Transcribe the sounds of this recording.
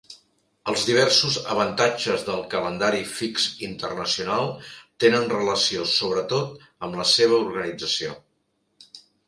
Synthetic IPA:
əlˠzðiβ̞ɛrsuzə̰βənt̪ad͡ʒəzðəlˠkələnd̪aɾifiksint̪ərnəsiunalˠt̪enənrələsiosoβɾət̪ot̪ | əmləseβ̞əuɾɣənid͡zəsio̰

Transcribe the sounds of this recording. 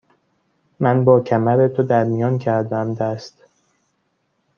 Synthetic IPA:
mænbɒːcʰæmæɾet̪ʰod̪æɾmijɒːncʰæɾd̪æmd̪æst̪

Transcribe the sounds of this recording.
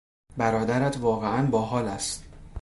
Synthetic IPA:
bæɾɒːd̪æɾæt̪ʰvɒːɣeʔænbɒːɦɒːlæst̪

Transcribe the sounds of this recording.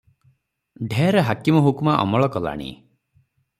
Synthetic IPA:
ɖʱeɾɔɦakimɔɦukumaʔɔ̰mɔɭɔkɔla̰ɽ̃ḭ

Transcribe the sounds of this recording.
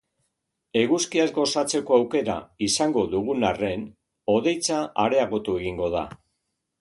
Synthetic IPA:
e̞ɣuskiazɡo̞sat͡se̞ko̞awke̞ɾa̰isaŋɡo̞ðuɣunare̞n | o̞ðe̞jt͡saʔaɾe̞aɣo̞t̪ue̞ɣiŋɡo̞ða̰

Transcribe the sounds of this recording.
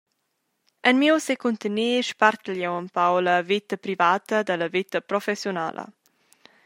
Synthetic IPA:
ənmiwsekunt̪əniːʃpart̪əlɛwəmpawləvit̪əpɾivaːt̪əd̪ələvit̪əpɾɔfɛsjona̰lʔə̰

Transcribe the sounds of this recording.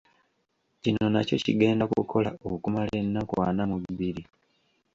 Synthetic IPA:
cino̞naco̞̰cḭɡe̞ːndakukʰo̞laokumale̞nːakwaːnamuβiβiɾi

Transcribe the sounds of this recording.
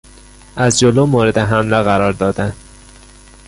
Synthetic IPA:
ʔæzd͡ʒoloːmoːɾed̪eɦæmleɣæɾɒːɾd̪ɒːd̪æn

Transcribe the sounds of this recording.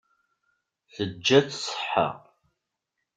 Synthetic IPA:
θəd͡ʒːæt͡ssˤə̥ħə̰ʁ

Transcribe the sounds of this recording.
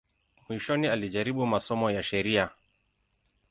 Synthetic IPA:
mwiʃɔnialiʄaɾiɓumasɔmɔjaʃɛɾia

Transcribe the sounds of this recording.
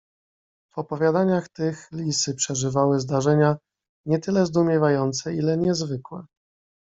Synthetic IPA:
vɔpɔvʲjad̪aɲaxt̪ɘxlʲisɘpʂɛʐɘvawɘzd̪aʐɛɲa | ɲɛt̪ɘlɛzd̪umʲjɛvajɔnt̪sɛilɛɲɛzvɘkwɛ

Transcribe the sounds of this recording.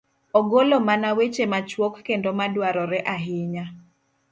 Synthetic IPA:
ɔɡolomanawet͡ʃemat͡ʃwokːendomadwaɾɔɾɛʔaɦɪɲa

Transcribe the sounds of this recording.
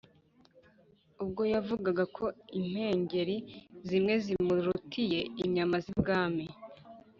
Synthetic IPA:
ub̚ɡo̞javuɡaɡakʰo̞im̥he̞ːɲɟe̞ɾizimŋe̞zimuɾutʰije̞iɲamazibɡaːmi

